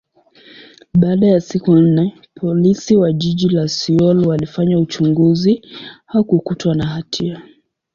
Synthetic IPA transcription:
ɓaːɗajasikun̩nɛ | pʰɔlisiwaʄiʄilasiɔlwalifaɲaut͡ʃuŋɡuzihakukutwanaɦatʰia

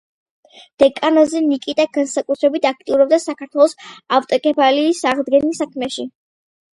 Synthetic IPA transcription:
d̪̥ɛkʼanɔzɛnikʼit̪ʼaɡansakʼut̪ʰɾɛbit̪ʰak̚ʰt̪ʼiuɾɔb̚d̪asakʰaɾt̪ʰwɛlˠɔsavt̪ʼɔkʼɛpʰaliːsaʁd̪ɡɛnisakʰmɛʃi

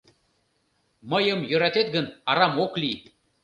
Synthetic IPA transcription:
məjəmjə̆ɾɑt̪et̪̚ɡənɑɾɑmoklʲi

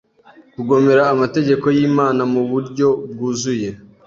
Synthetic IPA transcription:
kuɡo̞me̞ɾaːmate̞ɟe̞ko̞jiːmaːnamuβuɾɟo̞b̚ɡuːzuje̞

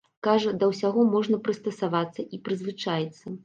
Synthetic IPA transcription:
kaʐɐd̪ɐwsʲaɣɔmɔʐnɐpɾɨst̪ɐsavat̪sːɐʔipɾɨzvɨt͡ʂajɛt̪sːɐ

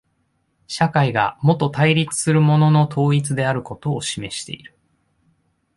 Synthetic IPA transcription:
ɕakaiɡa̰mo̞t̪ːo̞t̪aiɾʲit͡sɨ̥sɨɾɯ̟mo̞no̞no̞t̪ʰo̞ːit͡sɨd̪e̞aɾɯ̟ko̞t̪o̞ːɕime̞ɕi̥t̪e̞̰iɾɯ̟̥

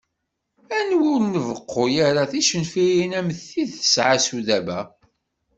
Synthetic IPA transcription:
ænwʊɾnəvəqːojaɾaθiʃənfijinæməθːiðθə̥sʕasuðæbæ

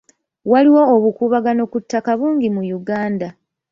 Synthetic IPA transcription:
waliwo̞ːβukuːβaɡano̞kutːakaβuːŋɡimujuɡaːnda

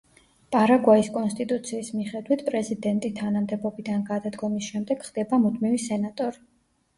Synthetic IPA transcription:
pʼaɾaɡwaiskʼɔnst̪ʼit̪ʼut̪sʰiːsmiχɛd̪wit̪ʰpʼɾɛzid̪ɛnt̪ʼit̪ʰanamd̪ɛbɔbid̪anɡad̪ad̪ɡɔmisʃɛmd̪ɛɡ̥χd̪̥ɛbamud̪mivisɛnat̪ʼɔɾi

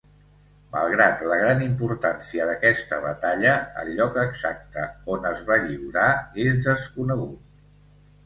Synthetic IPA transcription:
mə̰lˠɣɾat̪ləɣ̞ɾanimpuɾt̪ansiəðəkɛst̪əβət̪aʎəə̰lʎɔkəɡzak̚t̪əonəzβaʎiwɾaezðəskunəɣ̞ut̪̚

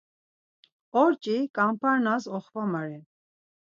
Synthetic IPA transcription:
ɔɾt͡ʃʼikʼampʰaɾnazɔχvamaɾi

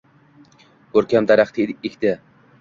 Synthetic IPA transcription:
kʰɵɾkʲamd̪aɾaχt̪ʰɪekʲd̪̥ɪ

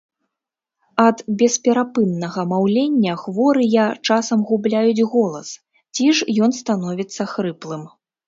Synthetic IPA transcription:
ɐd̪bʲɛspʲɛɾapɨnːɐɣɐmawlʲenʲːɐxvɔɾɨjat͡ʂasɐmɣublʲajud͡zʲɣɔlˠɐs | t͡sʲiʂjɔn̪st̪an̪ɔvʲit̪sːɐxɾɨplˠɨm

